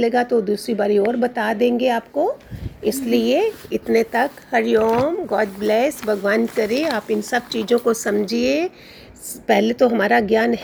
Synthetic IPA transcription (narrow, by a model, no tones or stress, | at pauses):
leːɡat̪od̪uːsɾibaːɾiɔːɾbɐt̪ad̪ẽːŋɡeaːpkoɪslieɪt̪net̪ɐkhɐɾjoːmɡɔːɖblɛːsbʱɐɡʋaːnkɐɾeaːpɪnsɐb̚t͡ʃiːd͡ʒõkosɐmd͡ʒʱie | pɛɦlet̪oɦɐmaːɾaɡjaːnɦ